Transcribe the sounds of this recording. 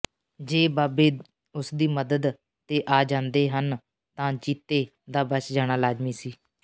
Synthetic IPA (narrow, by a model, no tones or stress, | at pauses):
d͡ʒeːbaːbeː | ʊsd̪iːməd̪əd̪ | t̪eːʔaːd͡ʒãːnd̪eːɦən | t̪ãːt͡ʃiːt̪eː | d̪aːbət͡ʃd͡ʒaːɽ̃aːlaːzmiːsiː